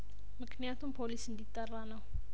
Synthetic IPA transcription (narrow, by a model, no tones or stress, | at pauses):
məkniat̪umpʰolisind̪it̪aranaw